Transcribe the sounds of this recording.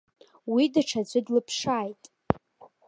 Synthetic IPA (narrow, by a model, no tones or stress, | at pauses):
widaʈ͡ʂʰat͡ɕʷʼɪdlɨpʰʂaːjtʼ